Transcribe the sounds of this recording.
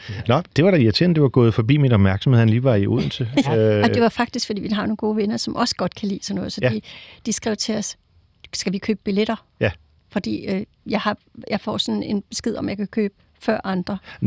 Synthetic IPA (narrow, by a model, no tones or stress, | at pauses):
nɒd̥e̝ʋɑ̈ɾ̥æiæt͡sʰend̥e̝ʋɑ̈ɡ̥ɔ̽ːð̞̩ˠfɒ̽b̥ḭːminɒ̽b̥mæɐɡ̥sm̩hḛhænliːʋɑ̈iṵð̰ˠn̩t͡sʰe̝ɒ̥e̝ʋɑ̈fɑ̈ɡ̥̚d̥isɡ̥fɒ̽d̥ḭːʋiɦɑ̈no̝ːnɡo̝ːʋenɐsɒ̽mʔɒ̽sə̥ɡ̥ɒ̽d̥kʰælḭːsɒnːɔ̽ːð̩ˠfɒ̽d̥ḭd̥isɡ̥ʁɛʊ̰t͡sʰe̝ɒs | sɡ̥æʋikʰøːb̥̚b̥ileɾ̥ɐ | j | fɒ̽d̥ḭːø | jɑ̈ɪhɑ̈jɑ̈ɪfɒ̰ːsɒ̽ne̝nb̥e̝sɡ̥eð̞̰ˠɒ̽mjɑ̈ɪkʰækʰø̰ːb̥ | fɶɐ̰ʔɑ̈nd̥ʁɐ